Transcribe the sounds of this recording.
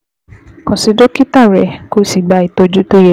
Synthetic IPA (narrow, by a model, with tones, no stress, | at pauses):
kɔ̃˨si˧˦do˦ki˦ta˦˨ɾɛ˨˦ko˦si˨ɡ͡ba˧˦i˨to˧d͡ʒu˦to˦je˦˨